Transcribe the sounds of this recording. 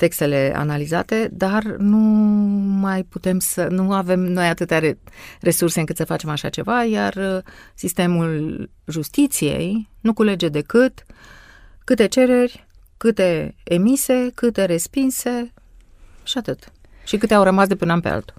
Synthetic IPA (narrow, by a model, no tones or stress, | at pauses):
t̪e̞kst̪e̞le̞a̰naliza̰t̪e̞d̪arnu | majput̪e̞msənuave̞mno̞jat̪ɨt̪eaere̞surse̞ɨŋkɨt̪səfat͡ʃe̞maʃa̰t͡ʃe̞vajarsist̪e̞mul | ʒust̪it̪sije̞̰jnukule̞d͡ʒe̞d̪e̞kɨt̪ | kɨt̪e̞t͡ʃe̞ɾe̞rʲ | kɨt̪e̞emise̞kɨt̪e̞ɾe̞spinse̞ | ʃiat̪ɨt̪ | ʃikɨt̪eawɾəmasd̪epɨnanpḛa̰lt̪u̥